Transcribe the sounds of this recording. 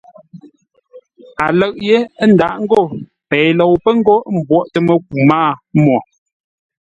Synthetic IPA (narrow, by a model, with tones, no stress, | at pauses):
a˨lə˦˨ʔje˦n̩˨da˨ʔŋ̩˦ɡo˦˨ | pɛ˨lɔ˨wpə˦ŋ̩˦ɡo˦m̩˨bwɔ˦˨ʔtə˦mə˦˨k̚u˨ma˦˨mwɔ˨